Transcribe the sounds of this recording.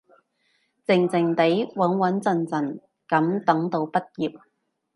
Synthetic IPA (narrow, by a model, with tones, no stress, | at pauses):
t͡sɪ˨˩ŋt͡sɪ˨˩ŋt̪e˨˥jwɐ˨˥nwɐ˨˥nt͡sɐ˧nt͡sɐ˨˩n | kɐ˨˥mt̪ɐ˨˥ŋt̪o˨˧wpɐ˥t̚jiː˨p̚